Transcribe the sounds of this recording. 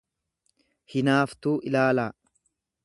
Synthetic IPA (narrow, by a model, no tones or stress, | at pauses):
hɪnaːft̪uːʔɪlaːlaː